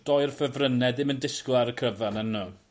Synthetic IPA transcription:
d̥ɔjrfəvrənɛdɪməndɪsklˠaɾəkʰəvanənːuː

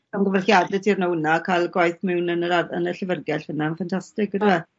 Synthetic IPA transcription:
anɡəvɛrxjadɛtʰirnawnakʰalˠɡwajθmɛwnənəɾaə̰nəɬəvərɡɛɬhənaənfantʰastɪkədɪɛ

